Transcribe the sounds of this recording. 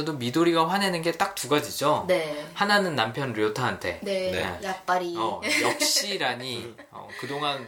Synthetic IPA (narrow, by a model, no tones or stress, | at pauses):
ʌdomidoɾiɡaɸwanenɯnɡe̞t͈ak̚tuɡad͡ʑid͡ʑoehananɯnːampʰjʌnɾɯotʰaɦantʰe̞̰neḛjap͈aɾiʌjʌk̚ɕ͈iɾaɲi | ʌ̰kɯdoŋan